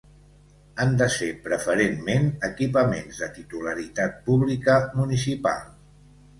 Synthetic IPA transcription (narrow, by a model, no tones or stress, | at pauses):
and̪əsepɾəfəɾenmenəkipəmenzðət̪it̪uləɾit̪at̪̚puβlikəmunis̬ipa̰lˠ